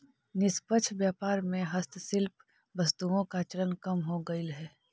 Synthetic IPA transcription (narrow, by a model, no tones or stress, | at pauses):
nɪspət͡ʃʰʋjaːpaːɾmẽɦɐst̪ʰsɪlp | ʋɐst̪uõkat͡ʃəɾənkɐmɦoɡɐɪlɦɛː